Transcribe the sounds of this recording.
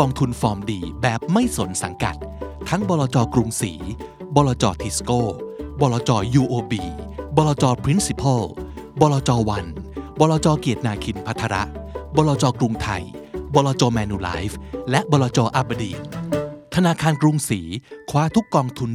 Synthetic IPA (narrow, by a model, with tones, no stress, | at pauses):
kɔː˧ŋt̪ʰu˧nfɔː˧mdiː˧bɛː˨˩p̚ma˥˩jso˩˦nsa˩˦ŋka̰˨˩t̪̚ʰːa˦˥ŋbɔː˧lɔː˧t͡ɕɔː˧kɾu˧ŋsḭː˩˦ | bɔː˧lɔː˧t͡ɕɔː˧t̪ʰi˧˩skoː˥˩bɔː˧lɔː˧t͡ɕɔː˧juː˧ʔoː˧biː˧bɔː˧lɔː˧t͡ɕɔː˧pʰɾi˦˥nsi˧˥pʰa˥˩l | bɔː˧lɔː˧t͡ɕɔː˧wa˧nbɔː˧lɔː˧t͡ɕɔː˧ki˨˩t̪̚naː˧kʰi˧npʰa˦˥t̪ʰːaː˧ɾa̰˦˥ʔbɔː˧lɔː˧t͡ɕɔː˧kɾu˧ŋt̪ʰa̰˧˩jbɔː˧lɔː˧t͡ɕɔː˧mɛː˧nuː˧la̰ː˦˥jflɛ˦˥ʔbɔː˧laː˧t͡ɕɔː˧ʔa˧˥ba˧dḭː˧˩t̪ʰa˧naː˧kʰaː˧nkɾu˧ŋsiː˩˦kʰwaː˦˥t̪ʰu˦˥kːɔː˧ŋt̪ʰu˧n